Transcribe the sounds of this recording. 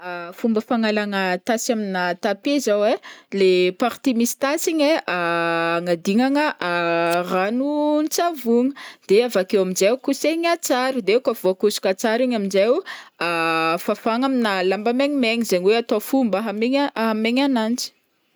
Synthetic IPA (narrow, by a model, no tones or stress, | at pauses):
afumbəfaŋalaŋət̪asaminat̪apezawelepaɾt̪imisi̥t̪asiɲeʔaŋad̪iŋaŋəʔaranunt͡savuŋəd̪̥eavakewaminzewkuseɲat͡saɾid̪ekavuakusu̥kʲat͡saɾiɲaminzewafafaŋaminalambameɲimeɲizeɲiweat̪ofumbəɦameɲaɦameɲanand͡zi̥